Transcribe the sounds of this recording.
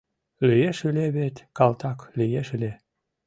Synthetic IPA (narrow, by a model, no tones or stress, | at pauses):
lyjeʃileβet̪ʲkɑlt̪ɑklijeʃilʲe